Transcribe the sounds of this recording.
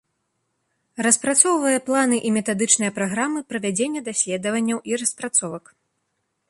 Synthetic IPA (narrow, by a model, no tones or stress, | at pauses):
rɐspɾat̪sɔwvɐjɐplˠanɨʔimʲɛt̪ad̪ɨt͡ʂnɨjɐpɾaɣɾamɨpɾɐvʲad͡zʲenʲːɐd̪asʲlʲɛd̪ɐvɐnʲːɐwʔiɾɐspɾat̪sɔvɐk